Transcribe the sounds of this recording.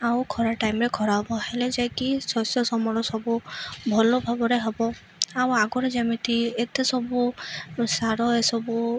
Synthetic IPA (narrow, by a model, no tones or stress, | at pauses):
awkʰɔɾaʈajmɾekʰɔɾaɦɔbɔheled͡ʒajkisɔsjɔsɔmɔɾɔsɔbubʱɔlɔbʱabɔɾeɦɔbɔ | awaɡɔɾed͡ʒamit̪iet̪esɔbusaɾɔesɔbu